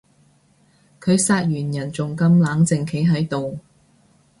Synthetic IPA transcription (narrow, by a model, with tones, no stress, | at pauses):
kʰɵ˨˧ɥsaː˧t̚ɥyː˨˩njɐ˨˩nt͡sʊ˨ŋkɐ˧mlaː˨˧˥ŋt͡sɪ˨˧ŋkʰe˨˥jɦɐ˨˧˥jt̪o˨w